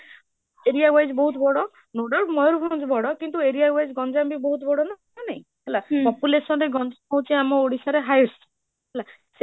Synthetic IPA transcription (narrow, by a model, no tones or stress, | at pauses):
eɾijawajd͡ʒbɔɦut̪ɔbɔɽɔ | noɖɔɾmɔjɾupʰaw̃nd͡ʒbɔɽɔkint̪ueɾijawajd͡ʒɡɔnd͡ʒabibɔɦut̪ɔbɔɽɔna | naĩ | ɦelapɔpulesɔnɾeɡɔnd͡ʒaɔ̃w̃t͡ʃʰiamɔoɽisaɾeɦajɾs | ɦla | se